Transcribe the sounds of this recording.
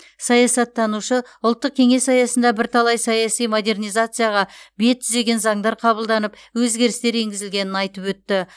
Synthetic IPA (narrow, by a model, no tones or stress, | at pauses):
sɑjɑsɑt̪ʰːɑnuʃəʊlˠt̪ːəq̚kʲʰe̞ŋe̞sːɑjɑsənd̪ɑbɪɾt̪ʰɑlˠɑjsɑjɑsijmo̞d̪e̞rnijzat̪sɨjɑʁɑbe̞t̪ʰːʏze̞ɡʲe̞nzɑŋd̪ɑɾqʰɑbəlˠd̪ɑnəp | wɵzɡʲe̞ɾɪst̪e̞ɾe̞ŋɡʲɪzɪlɡʲe̞nɪnɑjt̪əpwɵt̪ːɪ